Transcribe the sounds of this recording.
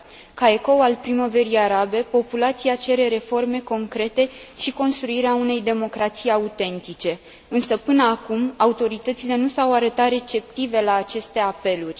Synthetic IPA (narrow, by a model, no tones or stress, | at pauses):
kaeko̞walpɾimove̞ɾiaɾabe̞po̞pulat̪siat͡ʃe̞ɾe̞ɾe̞fo̞rme̞ko̞ŋkɾe̞t̪e̞ʃiko̞nst̪ɾuiɾeaune̞jd̪e̞mo̞kɾat̪sijaut̪e̞nt̪it͡ʃe̞ | ɨnsəpɨnəakumaut̪o̞ɾit̪ət̪sile̞nusawaɾət̪at̪re̞t͡ʃe̞p̚t̪ive̞laːt͡ʃe̞st̪e̞ape̞lurʲ